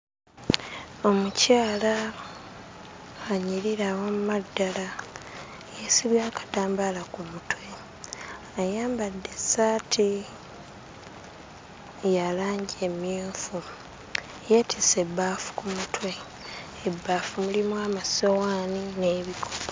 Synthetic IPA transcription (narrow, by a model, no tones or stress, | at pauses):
o̞mucaːla | ɲiɾiɾawamumadːala | jesiβjaːkḁtaːmbalakumutwe̞ | ajaːmbadːe̞saːtʰi | jalaːɲɟiemjuːfu | jetʰise̞bːaːfu̥kumutwe̞ː | bːaːfumulimwamasowaːnine̞ːβikʰop